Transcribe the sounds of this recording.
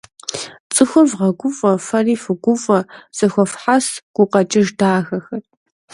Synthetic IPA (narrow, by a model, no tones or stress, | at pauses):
t͡sʼɨxʷʊvʁɐɡʷʊfʼɐfɐriːfɨɡʷʊfʼɐsʼɨxʷɔfħasɡ̥ʷʊqɐt͡ʃʼɪʒdaːxɐxɐt